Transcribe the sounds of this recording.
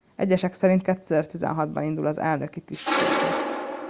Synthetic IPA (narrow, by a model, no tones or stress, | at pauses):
ɛ̰ɟːɛʃɛksɛɾint̪̚kɛt̪ːøzɛrt̪izɛ̰nɦɒd̪bɒ̰nind̪ulɒzɛ̰lnøkit̪iʃt̪etet̪